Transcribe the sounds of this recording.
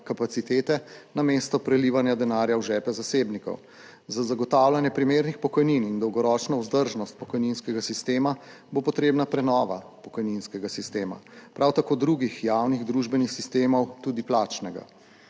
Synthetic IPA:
kapat̪sit̪eːt̪ɛnameːst̪ɔpɾɛliʋanjad̪ɛnaːɾjawʒɛːpɛzaseːbnikɔ̰w | zazaɡɔt̪aːwlanjɛpɾimeːɾnixpɔkɔjninind̪ɔwɡɔɾɔt͡ʃnɔwzd̪əɾʒnɔst̪̚pɔkɔjninskɛɡasist̪eːma | bopɔt̪ɾeːbnapɾɛnɔːʋa̰pɔkɔjninskɛɡasist̪eːma̰pɾʔawt̪akoːd̪ɾuɡixjaːwniɣd̪ɾuʒbɛnixsist̪eːmɔwt̪uːd̪iplaːt͡ʃnɛɡa̰

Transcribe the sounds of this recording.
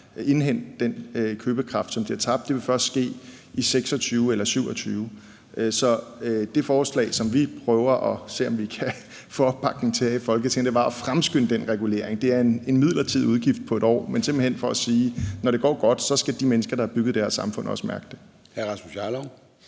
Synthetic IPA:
e̝nɦen̰d̥d̥en̰kʰøːb̥əkʰʁɑ̈fd̥sɒ̽mb̥d̥liɐt͡sʰɑ̈b̥̚d̥e̝ʋe̝fɶɐsd̥sɡ̥e̝̰ːʔiseɡ̥sɒ̽t͡sʰyːʊelɐsyʊ̰ɒ̽t͡sʰyːʊ | ʔsɒ̽d̥e̝fɒːslɛ̰ɪsɒ̽mʋipʰʁœːʊɐʔɒ̽se̝̰ːɒ̽mʋikʰæ | fo̥b̥ɑ̈ɡ̥n̩t͡sʰe̝ifɒ̽lɡ̥ət͡sʰe̝ŋd̥e̝ʋɑ̈ɒ̽fʁamsɡ̥øn̰əd̥enʁɛɡ̥ule̝̰ːɐ̰eŋd̥e̝æɐene̝nmið̞̰ˠlɐt͡sʰið̞̰ˠuðˠɡ̥ifd̥̚pʰɒ̽e̝ɾ̥ɒ̰ːmensemb̥l̩hen̰fɒ̽æsiːnɒɾ̥e̝ɡ̥ɒ̰ːɡ̥ɒ̽d̥sɒ̽sɡ̥æd̥imenəsɡ̥ɐɾ̥ɑ̈hɑ̈b̥yɡ̥ð̩ˠd̥æɐsːɑ̈mfɔ̽n̰ɒ̽səmæɐɡ̥̚d̥e̝ | hæɐʁɑ̈smuɕɑlɒʊ

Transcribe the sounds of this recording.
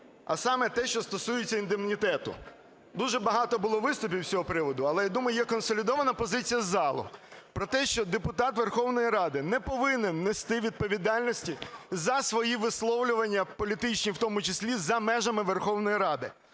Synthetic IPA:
ɐ̰sɑmɛt̪ɛʃt͡ʃɔst̪ɔsujet͡sʲːɐind̪emnʲit̪ɛt̪ʊ̰ | d̪uʒɛbɐɦɑt̪ɔbʊlˠɔʋɪst̪ʊpʲiwsʲɔɦɔpɾɪʋɔd̪ʊɐlˠɛjad̪umɔjʊjɛkɔnsɔlʲid̪ɔʋɐnɐpɔzɪt͡sʲijɐzɑlˠʊ̰pɾɔt̪ɛʃt͡ʃɔd̪epʊt̪ɑt̪ʋerxɔwnɔjiɾɑd̪ɪnɛpɔʋɪnɪnːɛst̪ɪʋʲid̪̚pɔʋʲid̪ɑlʲnɔsʲtʲizɐsʋɔjiʋɪslˠɔwlʲʊʋɐnʲːɐpɔlʲit̪ɪt͡ʃnʲiwt̪ɔmʊt͡ʃɪsʲlʲizɐmɛʒɐmɪʋerxɔwnɔjiɾɑd̪ɪ

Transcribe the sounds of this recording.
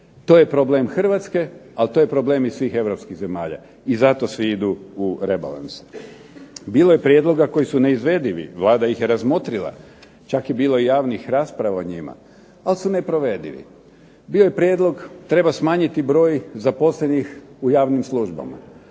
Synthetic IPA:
t̪oje̞pɾo̞ble̞ːmxr̩ʋat̪ske̞alt̪oje̞pɾo̞ble̞misʋiːxe̞ʋɾo̞pskiɣze̞maːʎa̰ | izat̪o̞sʋiid̪uuɾe̞ba̰la̰nse̥ | biːlojepɾje̞d̪lˠo̞ɡako̞jisune̞izʋe̞d̪iʋḭʋlˠaːd̪ajixjeɾazmo̞t̪ɾilˠa̰ | t͡ʃakjebiːlo̞ijaːʋnixɾaːspɾaʋaoɲima̰ | alsune̞pɾo̞ʋe̞d̪iʋḭ | biːojepɾʲije̞d̪lˠo̞ɡt̪ɾe̞basmaːɲit̪ibɾo̞ːjzapo̞slenixujaːʋnimsluʒba̰ma̰

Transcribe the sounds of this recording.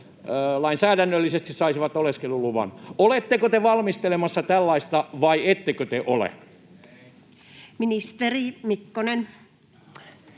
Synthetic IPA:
lɑinsæːðænːølːisest̪issɑisiʋɑt̪oleskelːuluʋɑ̰nolet̪ːekot̪eʋɑlmist̪elemɑsːɑt̪ælːɑist̪ɑʋɑiet̪ːekøt̪eʔolḛ | minist̪erimikːonen

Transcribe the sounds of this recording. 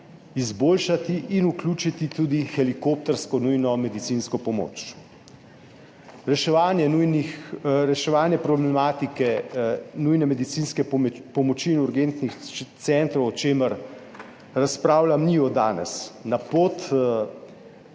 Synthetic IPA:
izboːlʃat̪iʔinuklʲuːt͡ʃit̪it̪uːd̪ixɛlikop̚t̪ɛɾskɔnujnɔmɛd̪it̪siːnskɔpɔmo̰ːt͡ʃ | ɾɛʃɛʋaːnjɛnujniɾɛʃɛʋaːnjɛpɾɔblɛmaːt̪ikɛnujnɛmɛd̪it̪siːnskɛpɔmɔt͡ʃiːnuɾɡent̪nixt̪sɛnt̪ɾɔwɔt͡ʃeːməɾ | ɾaspɾaːwlamniɔd̪aːnɛ̰snapoːt̪

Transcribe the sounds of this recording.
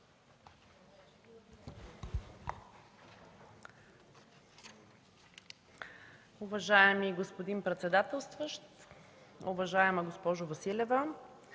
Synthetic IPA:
ʊvɐʒaɛmiɡospod̪inpɾɛt̪sɛd̪at̪ɛlˠst̪vəʃt̪ | ʊvɐʒaɛmɐɡospɔʒʊvɐsilʲɛvə

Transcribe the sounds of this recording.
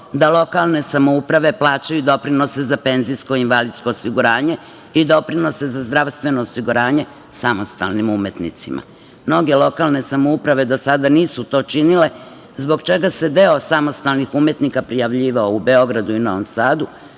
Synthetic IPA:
d̪alˠo̞kalˠne̞samoupɾaʋe̞plˠaːt͡ɕajud̪o̞pɾino̞sezape̞ːnziskoinʋalid̪sko̞ːsiɡuɾaːɲe̞ | id̪o̞pɾino̞se̞zazd̪ɾaʋst̪ʋe̞noːsiɡuɾaːɲe̞ | samo̞st̪a̰lnimume̞t̪nḭt̪sḭma̰ | mno̞ɡe̞lo̞kalˠne̞samoupɾaʋe̞d̪o̞sad̪aniːsut̪o̞t͡ʃinile̞ | zbo̞ɡt͡ʃe̞ɡase̞d̪eosamo̞st̪alˠnixume̞t̪nikapɾijaʋʎiːʋaoube̞o̞ɡɾad̪uinoansaːd̪u

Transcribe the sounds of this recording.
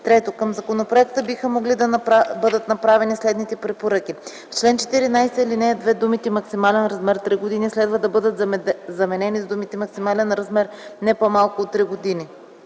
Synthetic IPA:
t̪ɾɛt̪okəmzɐkonopɾoɛkt̪əbixəmoɡlid̪ɐnbɤd̪ət̪nɐpɾavɛnislɛd̪nit̪ɛpɾɛpoɾɤki | ft͡ʃlɛnt͡ʃɛ̥t̪iɾinajsilinɛd̪vɛd̪umit̪ɛmɐksimalɛnɾɐzmɛɾt̪ɾiɡod̪inislɛd̪vəd̪ɐbɤd̪ət̪zɐmɛnɛnizd̪umit̪imɐksimalɛnɾɐzmɛɾnɛpomalˠkʊot̪ːɾiɡod̪ini

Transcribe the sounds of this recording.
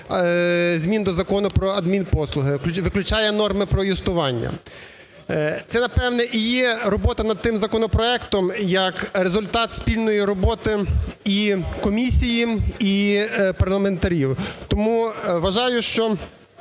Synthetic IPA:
zʲmʲind̪ɔzɐkɔnʊpɾɔɐd̪mʲinpɔslˠʊɦɪʋɪklʲʊt͡ʃɑjɛnɔrmɪpɾɔjist̪ʊʋɑnʲːɐ̰ | t̪sɛnɐpɛwnɛʔijɛɾɔbɔt̪ɐnɐd̪̚t̪ɪmzɐkɔnɔpɾɔɛkt̪ɔmjɐkɾezʊlʲt̪ɑt̪sʲpʲilʲnɔjiɾɔbɔt̪ɪikɔmʲisʲijiipɐrlˠɐme̞nt̪ɐɾʲiwt̪ɔmuʋɐʒɑjʊʃt͡ʃɔ

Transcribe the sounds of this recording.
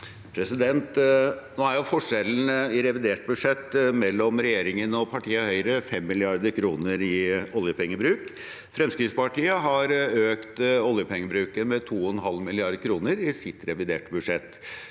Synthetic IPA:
pʰɾɛsɪd̪ɛnt̪noːæɾjʊfɔʂɛln̩ɪɾɛʋɪd̪eːʈ̚bʉʂɛt̪ːmɛlːɔmɾɛjeːɾɪŋənɔpʰɑʈʰiːəhœʏɾəfɛmːɪlɪɑɾd̪əɾkʰɾuːnəɾɪɔljəpʰɛŋːəbɾʉːk | fɾɛmskɾɪfspɑʈiːəɦɑɾøːkt̪ɔljəpʰɛŋːəbɾʉːkəmɛt̪ʰuːɔnɦɑlmɪlɪɑɾd̪kʰɾuːnəɾɪsɪt̪ɾɛʋɪd̪eːʈbʉd̪ʂɛt̪ː

